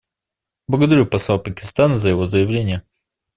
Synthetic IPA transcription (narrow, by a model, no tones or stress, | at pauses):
blˠəɡəd̪ɐɾʲupɐsˠapəkʲɪ̥st̪anəzəjɪvo̞zəjɪvlʲenʲɪjə